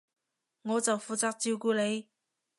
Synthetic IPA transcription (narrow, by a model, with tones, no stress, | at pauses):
ŋɔː˨˧t͡sɐ˨wfuː˨˩t͡saː˨˥k̚t͡siː˧wkuː˧le˨˧j